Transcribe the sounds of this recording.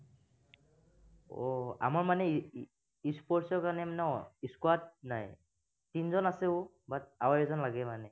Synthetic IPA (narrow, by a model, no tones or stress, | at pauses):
ɔa̰maɹmanɛ | ispɔɹsɔɹkaɹnɛmanɛɔiskwat̚naj | tinzɔnasɛʊ | baawajɔzɔnlaɡɛmanɛ